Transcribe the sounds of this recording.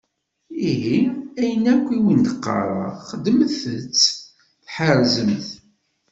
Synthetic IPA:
iɦiæjənækʷːiwind̪əqːɑ̰ɾˤə̰χəd̪ːəməθət͡sː | θħəɾzəmθ

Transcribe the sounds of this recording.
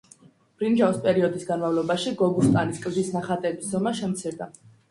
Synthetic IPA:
b̥ɾind͡ʒavispʼɛɾiɔd̪isɡanmavlˠɔbaʃiɡɔɡust̪ʼaniskʼɾzisnaχat̪ʼɛbiszɔmaʃɛmt̪sʰiɾd̪a

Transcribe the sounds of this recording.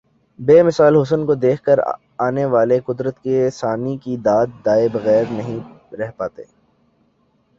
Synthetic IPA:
beːmɪsaːlɦʊs̬ənkod̪eːkʰkəɾ | aːneʋaːleqʊd̪ɾət̪kesaːnikid̪aːt̪̚d̪aːebɐɣɛːɾnɐɦĩ | ɾɛɦpaːt̪ḛː

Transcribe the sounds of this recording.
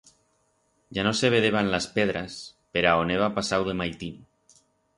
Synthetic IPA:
ʒanoseβ̞eðeβ̞anlaspeðɾaspeɾaoneβ̞apasawðe̞majt̪in

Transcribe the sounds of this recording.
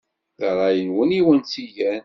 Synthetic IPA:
ðʁˤɑjənwəniwənt͡siʝæn

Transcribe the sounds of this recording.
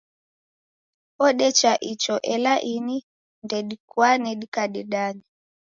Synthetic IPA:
ɔɗɛt͡ʃaʔit͡ʃɔʔɛlaʔini | ndɛɗikwanɛɗikaɗɛɗanɛ

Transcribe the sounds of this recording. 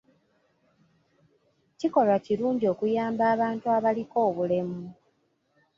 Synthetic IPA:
ciko̞lwaciɾuːɲɟio̞ːkujaːmbaːβaːntuaβaliko̞ːβule̞mu

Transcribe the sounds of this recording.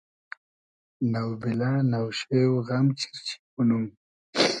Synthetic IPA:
nawbilanawʃewɣamt͡ʃʰi̥ɾt͡ʃʰi̥punum

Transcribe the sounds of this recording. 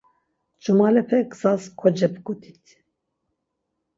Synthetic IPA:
d͡ʒumɑːlɛpʰɛkzɑːzkʰɔd͡ʒɛbɨɡot̪ʰit̪

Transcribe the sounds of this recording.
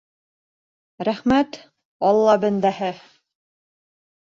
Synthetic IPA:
ɾæχmæt̪ | ɑlˠːɑbɘ̆nd̪æhɘ

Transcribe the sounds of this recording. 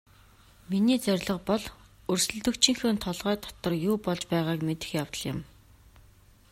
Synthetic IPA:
miniːt͡sœrʲɮə̆qpɔɮ | ɵrsɵ̆ɮt̪ɵ̆kt͡ɕʰĭŋxoːnt̪ʰɔɮʁœːt̪ʰɔ̥t̪ɞ̆rjuːpɔɮt͡ɕpæːʁaːkmet̪ɘ̥̆xjawt̪ə̆ɮjɪ̰̆m

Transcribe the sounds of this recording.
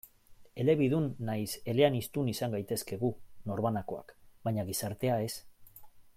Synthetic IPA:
e̞le̞βiðunːajse̞le̞anist̪unisaŋɡajt̪e̞ske̞ɣuno̞ɾβanako̞a̰kbaɲaɣisaɾt̪e̞ae̞s

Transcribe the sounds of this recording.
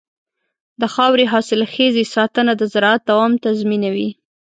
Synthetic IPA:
d̪əxɑwɾeɦɑsɪlxezesɑt̪ənad̪əzaɾɑat̪̚d̪awɑmt̪azminawi

